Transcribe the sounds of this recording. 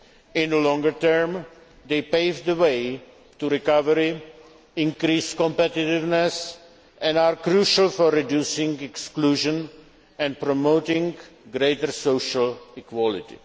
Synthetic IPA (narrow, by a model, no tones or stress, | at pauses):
ɪ̃nəlɔ̃ŋɡəɹt̪ɜɹm | d̪eɪpeɪvd̪əweɪ | tuɾikavəɾi | ɪ̃nkɾiskɔ̃mpɛtɪtɪvnɛs | ʔɛ̃naɹkɾuʃalfɔɹːidjusɪ̃ŋɡɛkskluːʒə̃n | ɛ̃n̚pɾɔmoʊtɪ̃ŋɡɾeɪtəɹsoʊʃalikwɔlɪtḭ